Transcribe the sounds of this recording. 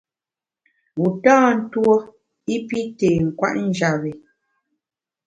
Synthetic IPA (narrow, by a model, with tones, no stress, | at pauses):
u˨taː˦n̩˦two˦ | i˦pi˦teː˨ŋ̩˨kwa̰˦ʔn̩˦d͡ʒa˨βi˨